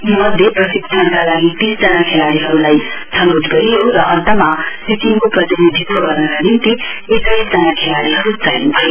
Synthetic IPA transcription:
mʌd̪ʱjeprʌsiktʰankalaɡip̪ĩsd͡zʌnakʰelaliɦʌɾulajt͡sʰʌnod̪ɡʌɾijɦoɾʌʔʌnt̪ʌmasisimkoprʌt̪inid̪ʱikːoɡʌrnʌkanint̪i | etaisd͡zʌnakʰelaliɦʌɾut͡sajnubʱʌje

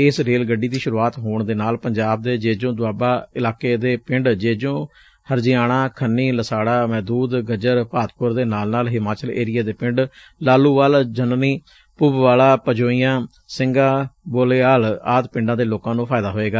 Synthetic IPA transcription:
ɪsɾeːlɡəɖiːd̪iːʃʊɾuːaːt̪ɦoːɳd̪eːnaːlpəɲd͡ʒaːb̚d̪eːd͡ʒeːd͡ʒõːd̪ʊaːbaːɪlaːkeːd̪eːpɪɳɖd͡ʒeːd͡ʒõː | həɾd͡ʒijaːɽaːkʰənːiːləsaːɽaːmɛːd̪uːd̪ɡəd͡ʒəɾpaːt̪pʊɾd̪eːnaːlnaːlɦɪmaːt͡ʃəlḛːɾɪjaːd̪eːpɪ̃ɳɖ | laːluːʋaːld͡ʒənniː | pʊbʋaːlaːpəd͡ʒoːijãː | sɪ̃ŋɡãːboːleːaːlaːt̪pɪ̃ɳɖãːd̪eːloːkãːnũːpʰaːɪd̪aːɦoːeːɡaː

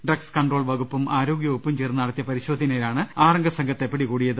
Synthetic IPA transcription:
ɖrɐkskɐɳɖro̞ːɭʋɐɣupːumʔaːɾo̞ːɡjɐupːumt͡ɕeːrnːɐɐɽɐt̪ːjɐpɐɾiɕo̞ːd̪ʱinɐːɾaːɳɨaːrɐŋɡɐsɐŋɡʱɐt̪ːepːɐɽikuːɽijɐðɨ

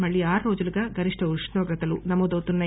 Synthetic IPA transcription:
mɐɭːiaːɾuɾo̞ːd͡ʒuluɡaːɡʱɐɾiʂʈʰɐuɾʂnɔːɡɾɐt̪ɐlunɐmɔːd̪ɐwt̪unːɐ

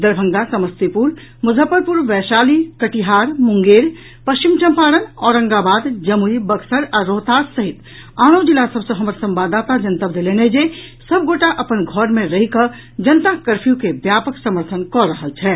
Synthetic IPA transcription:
d̪əɾbʱəŋɡasəməst̪ipuɾ | mʊzʱəpːəɾpʊɾʋɛːʃaːlikəʈiɦaːɾmʊ̃ŋɡeːɾ | pəst͡ʃimt͡ʃə̃mpaːɽənɔːɾə̃ŋɡabaːd̪d͡ʒəmuibəɡsəɾɔɾoːt̪aːɾsəɦɪt̪ | aːɽ̃õd͡ʒɪlasəbsəɦɐməɾsə̃mbaːd̪aːt̪ad͡ʒənt̪əbd̪eleːned͡ʒesəb̚ɡoːʈaʔɐpənɡʱɔɾmẽɾɐɦikə | d͡ʒənət̪akəɾpʰijũkebjaːpəksəməɾt̪ʰənkɔɾəɦəlt͡ʃʰɛː

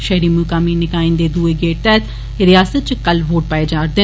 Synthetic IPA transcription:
ʃɛɦɾiːmukaːmiːnɪkaːĩnd̪eːd̪ueːɡeːʈ̚t̪ɛt̪ | ɾɪjaːsət̪̚t͡ʃkəlʋoːʈ̚paːeːd͡ʒaːɾd̪e

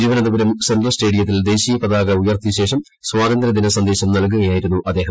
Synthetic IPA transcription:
iːʋɐnɐðubɐɾɐmsenɖrɐlste̞ːɽijɐt̪̬ːild̪e̞ːɕiːjɐpɐðaːɣɐujɐrt̪iɕe̞ːʂɐm | swaːd̪ɐnd̪ɾɐd̪inɐsɐnd̪e̞ːɕɐmnɐlk̬uɣɐjaːjiɾunːuʔɐd̪ːe̞ːɦɐm

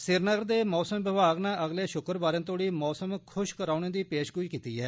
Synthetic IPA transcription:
sɪɾnəɡəɾd̪eːmɔːsəmʋɪbaːɡnaːʔəɡleːʃʊkəɾbaːɾẽːt̪̬oːɽiːmɔːsəmkʰʊʃkəɾaːʊñẽːd̪iːpeːʃɡʊiːkiːt̪iːɛː

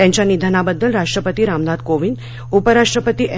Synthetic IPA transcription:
jãɲt͡ɕjanid̪ʱanabəd̪ːəlɾaʂʈɾəpət̪iːɾamnad̪koʋin | upəɾaʂʈɾəpət̪iʔɛ

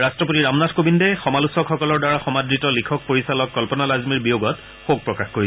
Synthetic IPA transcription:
ɹastɹɔpotiɹamnatʰkobindɛxɔmalusɔkxɔkɔlɔɹdaɹaxɔmadɹitɔlikʰɔk̚poɹisalɔkːɔlpɔnalazmiɹbijoɡɔt | xoɡ̚pɹɔkaxkoɹi

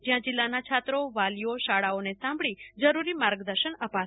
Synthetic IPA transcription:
d͡ʒjãd͡ʒɪlːanat͡ʃʰat̪ɾoʋalijoʃaɽaonesãmbɭid͡ʒəɾuɾimaɾɡd̪əɾʃənəpa

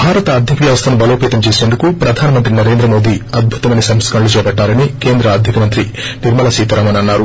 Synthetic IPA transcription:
bʱaːɾɐt̪ɐːd̪ʱjɐkɐʋjɐːʋɐst̪ʰɐnubɐlo̞ːpeːt̪ɐmt͡ʃeːse̞ːnd̪ukupɾɐd̪ʱaːnimɐnt̪ɾinɐɾe̞ːnd̪ɾɐmo̞ːd̪iːɐd̪̚bʱut̪ɐʋɐjnisɐmskɐɳɐlut͡ʃɛːbɐʈːaːɾɐnike̞ːnd̪ɾɐɐd̪ʱikɐmɐnt̪ɾi | niɾmɐlasiːt̪ɐɾaːmɐnɐnːaːɾu

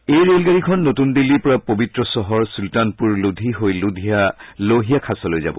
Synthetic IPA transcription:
ejɹelɡaɹikʰɔnːotundilːiɹpɔɹapobitɹɔsɔɦɔɹsultanpuɹludʱiɦojludʱijaloɦijakʰasɔlojza̰bɔ̰

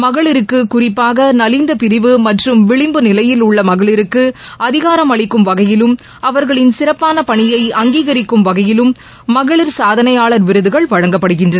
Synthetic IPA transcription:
mɐɣɐɭɪɾɯkːɯkːʊrɪpːaːɣɐnɐlɪnd̪ɐpɪɾɪʋɯmɐʈrɯmʋɪɭɪmbɯnɪlɐjɪlʊɭːɐmɐɣɐɭɪɾɯkːɯɐðɪɣaːɾɐmɐɭɪkːɯmʋɐɣɐjɪlɯm | ʔɐʋɐɾɣɐɭɪnsɪrɐpːaːnɐpɐɳɪjɐɪɐŋɡiːɣɐɾɪkːɯmʋɐɣɐjɪlɯmː | ɐɣɐɭɪɾsaːðɐnɐjaːɭɐɾʋɪɾɯðɯɣɐɭʋɐɻɐŋɡɐpːɐɽɯɣɪndrɐn

